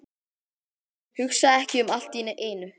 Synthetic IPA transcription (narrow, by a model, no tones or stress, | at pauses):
hʏxsaɛhcɪʏmal̥t̪iːnʏʔeːjnʏ